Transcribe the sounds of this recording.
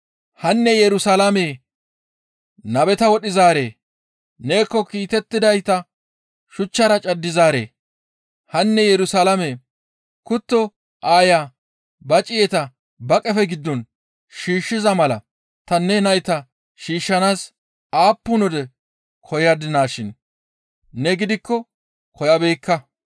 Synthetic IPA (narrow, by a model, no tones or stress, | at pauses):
hɐnːɛjɛɾʊsalɐmeː | nɐbɛt̪ɐwɔɗɪzaːɾe̞ː | ne̞ːkːɔkiːt̪ɛt̪ːɪd̪ɐjt̪ɐ | ʃʊt͡ʃːɐɾɐt͡ʃʼɐd̪ːɪzaːɾḛː | hɐnːɛjɛɾʊsalɐmeː | kʊt̪ːɔ | ʔaːja | bɐt͡ʃʼɪjɛt̪ɐ | bɐkʼɛfɛɡɪd̪ːɔn | ʃiːʃːɪzɐmɐlɐ | t̪ɐnːɛnɐjt̪ɐ | ʃiːʃːɐnaːs | aːpːʊnɔd̪ɛ | kʰɔjad̪ɪnaːʃɪnː | ɛɡɪd̪ɪkːɔ | kʰɔjɐbeːkːɐ